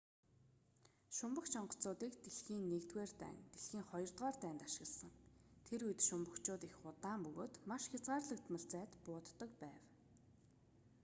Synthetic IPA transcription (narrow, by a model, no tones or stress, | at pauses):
ʃʊmpə̆xt͡ɕʰɔɴɢɞ̥̆t͡sʊːt̪iːkt̪eɮxiːnːekt̪ɡweːrt̪æ̰ːnt̪eɮxiːŋχɔjɞ̆rt̪ʁɔːrt̪æːnt̪aʃɪ̆ɣə̆ɮsə̆ŋt̪ʰeɾujt̪ʃʊmpə̆kt͡ɕʊːt̪ixʊt̪aːmpɵɣoːt̪maʃxʲat͡sʁaːrɮə̆k̚t̪mə̆ɮt͡sæːt̪pʊːt̪ːə̆kpæːw